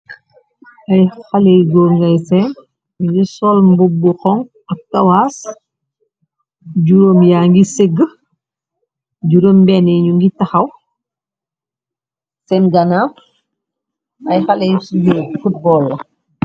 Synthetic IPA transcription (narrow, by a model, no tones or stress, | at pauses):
ʔɐjxɐlɛjɡɔːɾŋɡɐjsɛn | ɡisɔlmbubuxɔŋ | ɐk̚tɐwaːs | ɟuɾoːmjaːŋɡiseɡə | ɟuɾoːmbɛnɛɲuŋɡitɐxɐw | sɛnɡɐna | ɐjxɐlɛjsubufut̚bɔːlː